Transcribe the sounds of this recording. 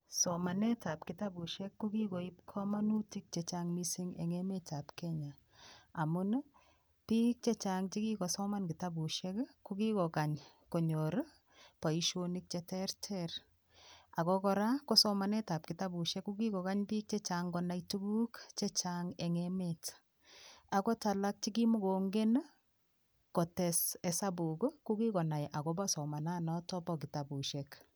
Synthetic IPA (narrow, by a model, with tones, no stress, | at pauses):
sɔma˨nɛ˦ta˨pkɪ˨ta˦bu˨ʃɛ˦kːu˦ki˦ko˨ip̚kʰɔ˦ma˦nu˦ti˦k̚t͡ʃɛt͡ʃaŋmisi˦ŋɛ̰˨ŋɛ˦mɛta˨pkɛɲa˨ | a˨mʊ˦n | pi˦k̚t͡ʃɛ˦t͡ʃaŋt͡ʃi˦ki˦kɔ˨sɔ˦ma˦nkɪ˨ta˦bu˨ʃɛ˦kkuki˦kɔ˨ka˨ɲ | kɔ˨ɲɔ˨ɾ | pa˨iʃoni˦k̚t͡ʃɛtɛ˦ɾtʰɛɾ | a˨kɔkɔ˦ɾa˦kɔ˦sɔma˨nɛ˦ta˨p̚ki˨ta˦bu˨ʃɛkːuɡi˦kɔ˨ka˦ɲpi˦k̚t͡ʃɛ˦t͡ʃaŋɡɔna˦jtu˦ɡu˦kt͡ʃe˦t͡ʃaŋeŋemet | a˨kɔ˦ta˨la˦k̚t͡ʃi˦ki˦mʊ˦ɡo˨ŋɡe˦n | kɔ˨tɛ˨sɛ˨sa˦buko˦ku˦ki˦kɔ˨na˨jʔa˨kɔba˦sɔ˨ma˨na˦nɔtɔ˦bɔki˨ta˨bu˨ʃek